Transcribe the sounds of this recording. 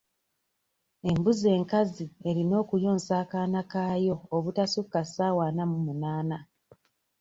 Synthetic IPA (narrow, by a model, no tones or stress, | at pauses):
e̞mbuze̞ːŋkazie̞ɾino̞ːkujo̞ːnsaːkaːnakaːjo̞ːβutasukːasaːwaːnamumunaːna